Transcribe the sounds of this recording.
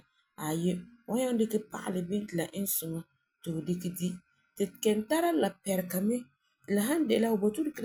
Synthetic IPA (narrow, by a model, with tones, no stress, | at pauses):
a˨je˦wa˦ɲa˦n˦dɪ˦kɛ˦pa̰˦ʔa̰˨lɪ˨bɪ˦n˦tɪ˨la˨ʔɪ˦n˦sʊ˨ŋa˦ | tɪ˨bʊ˨dɪ˦kɛ˦di˦ | tɪ˨kɛ˨nta˦ɾa˦la˨pɛ˨ɾɪ˨ka˨mɛ˦˨ | la˨ɦã˦n˦dɪ˨la˦ʊ˨bɔ˨tu˦dɪ˦kɪ˦